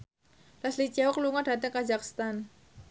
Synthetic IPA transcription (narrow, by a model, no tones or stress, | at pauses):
laslit͡ʃawɔkluŋaɖ̥a̤t̪əŋkad͡ʒakst̪an